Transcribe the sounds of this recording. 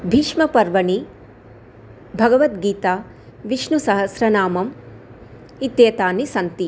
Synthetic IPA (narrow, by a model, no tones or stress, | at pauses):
bʱiʂmɐpɐɾʋɐɳi | bʱɐɡɐʋɐt̪ɡiːt̪aː | ʋiʂnusɐɦɐsɾɐnaːmɐm | it̪jeːt̪aːnisɐnt̪i